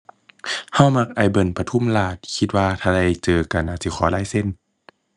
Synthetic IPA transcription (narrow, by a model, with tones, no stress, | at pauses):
ha˧˥˨wma˧k̚ʔa˨˧˩jbɤ˧˩˨npa˧t̪ʰu˧˥˨mlaː˧˩t̪̚kʰi˧t̪̚waː˧t̪ʰaː˧da˧˩jt͡ɕɤː˧ka˨˧˩nʔaː˧˩si˧˦xʰɔː˨˦laː˧˥˨jse˧˥˨n